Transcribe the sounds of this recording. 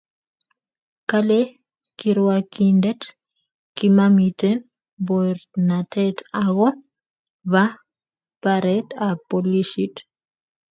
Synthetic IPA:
kale | kiɾwakindɛt | kimamitɛn | bɔɾtnatɛtaɣɔ | va | paɾɛtapɔliʃit

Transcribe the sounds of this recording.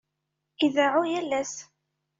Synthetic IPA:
iðaʕujælːæs

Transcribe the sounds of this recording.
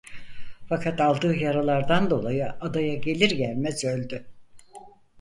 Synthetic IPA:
fakʰat̪alˠd̪ɯːjaɾalˠaɾd̪and̪o̞lˠajɯad̪ajaɟe̞lʲiɾɟælʲmɛzø̞lʲd̪y

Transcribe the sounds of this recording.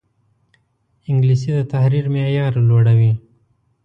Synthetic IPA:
ɪŋɡlisid̪ət̪ahɾiɾmejɑɾloɽawi

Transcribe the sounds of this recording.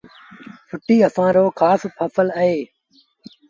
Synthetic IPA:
fʊʈiːəsãːɾoːkʰaːspʰəfələɦeː

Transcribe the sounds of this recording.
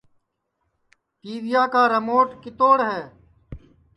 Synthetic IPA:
t̪iːʋɪjaːkaːɾəmoːʈkɪt̪oːɽɦɛ̃ː

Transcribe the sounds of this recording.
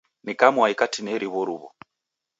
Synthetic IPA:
nikamwaikatʰineɾiβoɾuβɔ̰

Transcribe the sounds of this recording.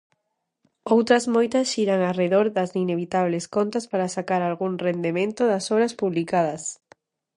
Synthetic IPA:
owt̪ɾɐzmojt̪ɐsʃiɾaŋareðoɾðɐsineβit̪aβleskont̪aspaɾasakaɾalɣuŋrend̪emẽnt̪ʊðasɔβɾɐspuβlikað̞ɐs

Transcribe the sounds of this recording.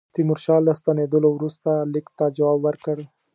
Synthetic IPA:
t̪imuɾʃɑlast̪aned̪əlowɾust̪alɪkt̪ad͡ʒawɑbwəɾkəɽ

